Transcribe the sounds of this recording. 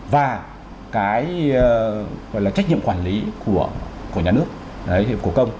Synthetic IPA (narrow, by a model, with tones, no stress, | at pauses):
vaː˨˩ | kaː˨˦j | ɣɔ̰˧˨jlaː˨˩t͡ɕk̚ɲḭ˧˨ə˨mkwaː˧˩nli˨˦ku˧˩əku˧˩ɲaː˨˩nɨ˦˥ək̚ | ə˨˦˧ku˧˩kə˧wŋ͡m